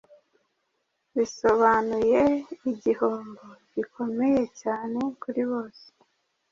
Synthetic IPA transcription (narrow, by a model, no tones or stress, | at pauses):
βiso̞βanuje̞iɟihoːmboɟikʰo̞me̞je̞caːne̞kuɾiβo̞ːse̥